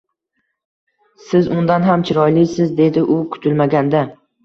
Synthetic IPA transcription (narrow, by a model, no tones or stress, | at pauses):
sɪzʊnd̪anɦamt͡ʃʰɪɾɒjlɪjsɪzd̪e̞d̪ɪʔʊkʰʊ̥t̪ʰɪlmaɡʲand̪a